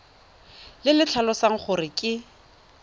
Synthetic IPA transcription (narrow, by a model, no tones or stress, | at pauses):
lɪlɪt͡ɬʰalɔsaŋ̩χʊrɪkʼɪ